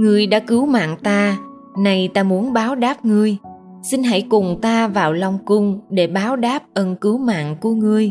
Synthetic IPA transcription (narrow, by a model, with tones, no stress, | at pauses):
ŋɨ˧˩əjɗa̰ː˧˥kɨ˨˦wma̰ː˧˨ŋt̪aː˧ | na˧jt̪aː˧mu˨˦ənɓaː˨˦wɗaː˦˥p̚ŋɨ˧əj | si˧nɦa̰˧˩jkʊ˨˩ŋ͡mt̪aː˧vaː˨˩wlɔ˧wŋ͡mkʊ˧ŋ͡mɗe˧˩ɓaː˨˦wɗaː˦˥p̚ʔə˧nkɨ˨˦wma̰ː˧˨nku˧˩əŋɨ˧əj